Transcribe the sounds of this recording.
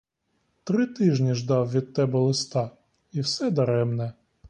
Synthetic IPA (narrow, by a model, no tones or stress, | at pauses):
t̪ɾɪt̪ɪʒnʲiʒd̪ɑwʋʲid̪̚t̪ɛbɛlˠɪst̪ɑ | iwsɛd̪ɐɾɛmnɛ